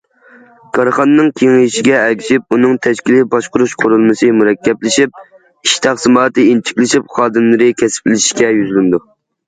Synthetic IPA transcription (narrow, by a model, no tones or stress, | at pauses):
kʰɑɾχɑnɨnːɨŋkʲʰeŋjʃiɡʲɛːkʲʰiʃip̚unɨŋt̪ʰɛʃkʲilɪbɑʃqʊɾuʃqʰʊɾulˠmɨsɨmuɾɛkʲːɛplɪʃip̚ | iʃt̪ʰɑχsɨmɑːt̪ɨint͡ʃʰi̥kʲlɪʃipχɑːd̪ɨmlˠɨɾɨkʲʰɛsɪ̥plɪliʃkʲɛjyzlɪnd̪u